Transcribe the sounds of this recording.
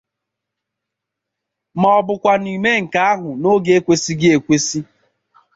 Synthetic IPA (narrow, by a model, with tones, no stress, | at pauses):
mɔ˨ɔ˨bʊ˨kʷa˨n˨i˨me˦ŋ̩˨ka˦a˦ɦʊ˨no˦ɡe˦e˦kʷe˦si˦ɡɪ˦e˨kʷe˦si˦